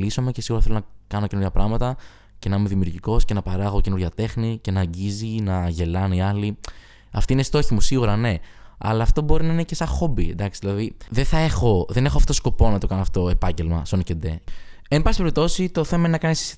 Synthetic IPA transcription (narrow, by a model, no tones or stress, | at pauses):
liso̞me̞cesiɣuɾɐθelonɐkɐnocenuɾʝɐpɾɐɣmɐt̪ɐ | ce̞nɐimeðimiuɾʝiko̞sce̞nɐpɐɾɐɣo̞cenuɾʝɐt̪e̞xnice̞nɐːɲɟizinɐʝe̞lɐniɐli | ɐft̪inest̪o̞çimusiɣuɾɐne̞ɐ̰lɐːft̪o̞bo̞ɾinɐinece̞sɐxo̞biḛnd̪ɐksi̥ðilɐðiðeθɐe̞xo̞ðe̞nexoɐfo̥t̪oosko̞po̞nɐt̪o̞kɐnoɐfot̪oepɐɲɟe̞lmɐ̰sonocend̪e | embɐspeɾip̚t̪o̞sit̪o̞θe̞mɐenenɐkɐnis